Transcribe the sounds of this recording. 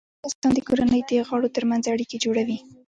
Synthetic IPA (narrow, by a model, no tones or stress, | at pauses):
ɑst̪ɑnd̪əkoɾanəjd̪əɣɑɽot̪əɾmanzaɽiked͡ʒoɽawi